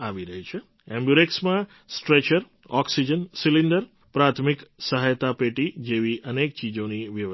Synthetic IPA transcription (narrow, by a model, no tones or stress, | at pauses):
aʋiɾəɦit͡ʃʰe | ɛ̃mbjuɾeksmã | sʈɾet͡ʃəɾ | ɔksid͡ʒənsilind̪əɾ | pɾat̪ʰmiksəɦajt̪apeʈid͡ʒeʋiʔənek̚t͡ʃid͡ʒoniʋjə